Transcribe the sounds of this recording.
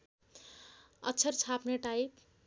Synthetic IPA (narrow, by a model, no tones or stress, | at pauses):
ʌ̰tːt͡sʰʌrt͡sʰapneʈajp